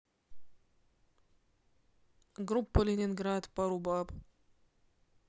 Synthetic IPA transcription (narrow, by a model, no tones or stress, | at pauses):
ɡɾupːəlʲenʲɪnɡɾat̪pɐɾubap